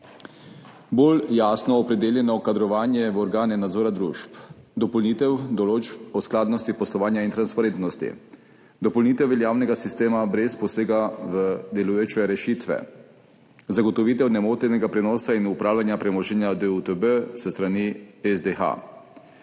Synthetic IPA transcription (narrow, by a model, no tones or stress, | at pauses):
boljaːsnɔːpɾɛd̪eːljɛnɔkad̪ɾɔʋaːnjɛʋɔɾɡaːnɛnad̪zoːɾad̪ɾṵːʃp | d̪ɔpɔlnit̪ɛwd̪ɔloːt͡ʃɔsklaːd̪nɔst̪ipɔslɔʋaːnjaint̪ɾanspaɾeːnt̪nɔst̪ḭ | d̪ɔpɔlniːt̪ɛwʋɛljaːwnɛɡasist̪eːmabɾɛspɔseːɡaʋəd̪ɛlujot͡ʃɛɾɛʃit̪ʋɛ̰ | zaɡɔt̪ɔʋiːt̪ɛwnɛmoːt̪ɛnɛɡapɾɛnɔːsainupɾaːwlanjapɾɛmɔʒɛnjad̪əut̪əbəsəst̪ɾaniɛzd̪exa̰